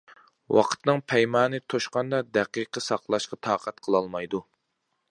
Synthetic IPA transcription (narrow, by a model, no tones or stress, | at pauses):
wʔɑ̰qʰə̥t̪nɨŋpʰɛjmɑːnɨt̪ʰoʃqɑnd̪ɑd̪ɛqiqʰəsɑqlˠɑʃqɑt̪ʰɑːqʰɛt̪̚qʰəlˠɑlˠmɑjd̪u